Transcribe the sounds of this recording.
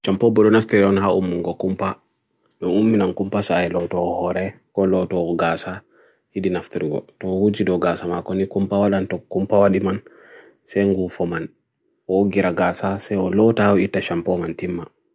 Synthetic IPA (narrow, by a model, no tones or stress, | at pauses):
ʃampɔbɔɗɔnaftiɾɛɔnɦaʔumːuŋɡɔkumpa | ɗɔnumːinankumpasaajlɔtɔɔhɔɾɛkɔlɔtɔɔɡasa | hiɗinaftiɾiɡɔ̰tɔɔhud͡ʒidɔɡasamakɔnikumpawaɗantɔkːumpawaɗiman | sɛŋɡufɔman | ɔɡiɾaɡasasɛɔlɔtawɔitːaʃampɔmantimːa